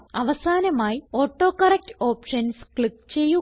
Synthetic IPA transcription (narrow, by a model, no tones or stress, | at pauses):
ɐʋɐsaːnɐmaːjio̞ːʈːo̞ːkɐrek̚to̞ːpʂɐnskɭikːt͡ɕe̞jːu